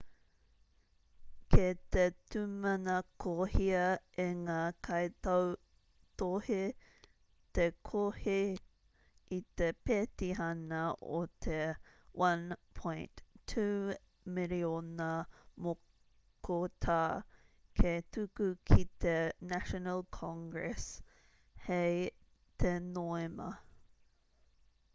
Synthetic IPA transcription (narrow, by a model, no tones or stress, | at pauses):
kʰet̪et̪umɐnɐkʰohiɐeŋakʰɐjtɐw | t̪ohe | t̪ekʰohe | it̪epetiɦɐnɐo̰t̪ʰewɐ̃npʰõjntʰːuː | mɪlionɐmo | kʰot̪ʰaːkʰet̪ukukʰit̪enæʃonəlkʰɑ̃ŋɡɹɛs | hej | t̪ʰenoemɐ̰